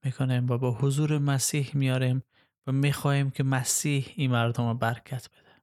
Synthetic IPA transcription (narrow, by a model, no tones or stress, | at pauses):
mikʰonemvæbɒːhozuːɾemæsiːhmijɒːɾem | væmixɒːhimkʲʰemæsiːhiːnmæɾd̪omɔbæɾkʰæt̪ʰb̥e̞d̪e̥